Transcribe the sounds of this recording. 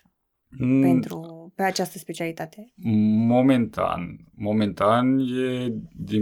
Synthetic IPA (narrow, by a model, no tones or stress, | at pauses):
pent̪ɾupeat͡ʃast̪əspet͡ʃialit̪at̪emoment̪ʰa̰nmo̞ment̪anjed̪i